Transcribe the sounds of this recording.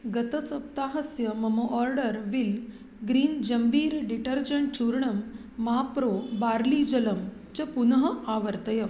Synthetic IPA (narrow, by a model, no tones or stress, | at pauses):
ɡɐt̪ɐsɐp̚t̪aːɦɐsjɐmɐmoʔɔɾɖəɾʋil | ɡɾiːnd͡ʑɐmbʱiːɾɖiʈəɾd͡ʑəɳʈ̚t͡ɕuɾɳɐmː | aːpɾobaːɾliːd͡ʑɐlɐm | t͡ɕɐpunɐɦəʔaʋəɾt̪ɐjɐ